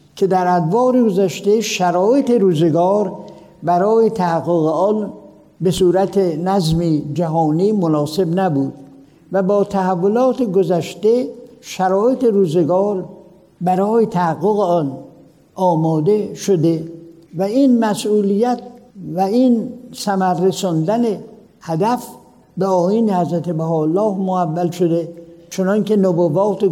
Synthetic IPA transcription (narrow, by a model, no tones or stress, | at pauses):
kʰed̪æɾæd̪vɒːɾeɡozæʃt̪e̞ʃæɾɒːjet̪eɾuːzeɡɒːɾ | bæɾɒːjet̪ʰæhæɡːoɣeɒn | besuːɾæt̪ʰenæzmid͡ʒæɦɒːniːmonɒːse̞bnæbuːd̪̥ | væbɒːt̪ʰæhævːolɒːt̪ʰeɡozæʃt̪eʃæɾɒːet̪ʰeɾuːzeɡɒːɾ | bæɾɒːjet̪ʰæhæɣːoɣeɒn | ʔɒːmɒːd̪e̞ʃod̪e | væiːnmæsʔuːlijæt̪væinsæmæɾːesɔnd̪æne | hæd̪æf | beɒːjiːnehæzɾæt̪ʰebæɦɒːlːɒːhmoævːælʃod̪et͡ʃʰonɒnke̞nobovɒːt̪e